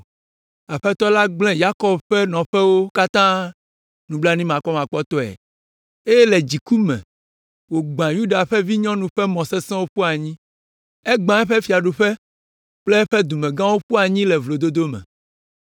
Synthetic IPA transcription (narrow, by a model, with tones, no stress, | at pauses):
a˨ɸɛ˦t̪ɔ˦la˦ɡ͡blɛ̃˦ja˦kɔ˨bɸɛ˦nɔ̃˨ɸɛ˦wo˦ka˦t̪ã˦ | nũ˨bla˦nĩ˦mã˨kɔ˦mã˨k͡pɔ˦t̪ɔ˦ɛ̰˨ | e˦jɛ˦lɛ˨d͡ʑi˨ku˦mɛ̰̃˨ | wo˨ɡ͡bã˨ju˦ɖa˨ɸɛ˦vi˦ɲɔ̃˦nũ˨ɸɛ˦mɔ̃˨sɛ˦sɛ̃˦wo˦ɸu˦a˨ɲĩ˦ | ɛ˦ɡ͡bã˨ɛ˦ɸɛ˦fi˨a˨ɖu˨ɸɛ˦ | k͡plɛ˦ɛ˦ɸɛ˦d̪u˨mɛ̃˨ɡã˦wo˦ɸu˦a˨ɲĩ˦lɛ˨vlo˨d̪o˦d̪o˦mɛ̰̃˨